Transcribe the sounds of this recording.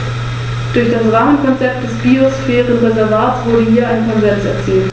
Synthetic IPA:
d̥ʊɐçd̥asʁaːmənkʰɔnt͡sɛp̚t̚d̥ɛsb̥iːosfeːʁənʁezɛɐvaːt͡sv̥ʊɐdəhiːɐʔaɪnəkʰɔnzɛnsɛ̰ɐt͡siːlt

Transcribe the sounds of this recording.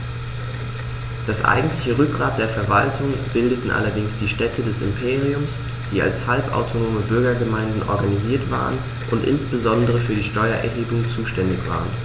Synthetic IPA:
d̥asʔa̰ɪɡŋ̩tlɪçəʁʏk̚ɡ̥ʁaːt̚d̥eːɐfɛɐvaltʰʊŋb̥ɪldətn̩ʔa̰lɐdɪŋsd̥iːʃtɛtʰədɛsɪ̰mpʰeːʁ̞iʊms | d̥iːa̰lshalpa̰ʊtʰonoːməbʏɐɡɐɡəmaɪndn̩ʔɔ̰ɐɡaniziːɐtv̥a̰ːʁən | ʔʊntʔɪ̰nsb̥əzɔndəʁ̞əfyːɐdiːʃtɔʏɐʔɛ̰ɐhɦeːbʊŋt͡suːʃtɛndɪçv̥a̰ːʁ̞ən

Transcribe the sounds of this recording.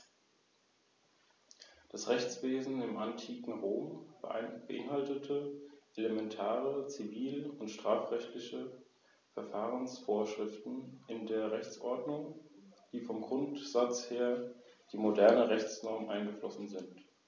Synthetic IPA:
d̥asʁɛçt͡sv̥eːzn̩ɪmantʰiːkŋ̩ʁoːm | b̥əʔɪ̰nhaltətʰəʔeləmɛntʰaːʁət͡siviːlʊntʃtʁ̥aːfʁɛçtlɪçə | fɛɐfaːʁənsfoːɐʃʁ̥ɪftn̩ɪndeːɐʁɛçt͡sʔɔɐdnʊŋd̥iːfɔmɡʁʊntz̥at͡sheːɐd̥iːmodɛɐnəʁɛçt͡snɔɐməʔaɪnɡəflɔsn̩zɪnt

